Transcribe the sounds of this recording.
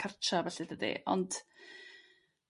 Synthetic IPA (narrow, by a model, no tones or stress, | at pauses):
art͡ʃavɛɬɪdədḭʔɔ̰nd̥